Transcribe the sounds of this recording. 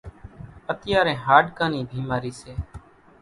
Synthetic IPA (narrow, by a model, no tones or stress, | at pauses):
ət̪ɪjaːɾẽːɦaːɖkãːniːbʱiːmaːɾiːseː